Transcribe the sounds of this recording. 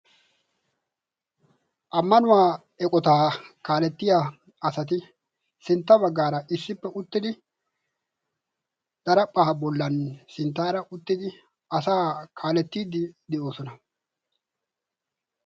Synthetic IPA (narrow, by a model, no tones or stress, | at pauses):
ʔɐmːɐnʊwaː | ɛkʼɔt̪aːkaːlɛt̪ːɪja | ɐsɐt̪̬ɪ | sɪnt̪ːɐbɐɡːaːɾɐʔɪsːɪpːɛʔʊt̪ːɪd̪ɪ | d̪̥ɐɾɐpʼːaɐbɔlːɐnsɪnt̪ːaːɾɐʔʊt̪ːɪd̪ɪ | ɐsaːkʰaːlɛt̪ːiːd̪ɪd̪ɛʔo̞ːsɔnɐ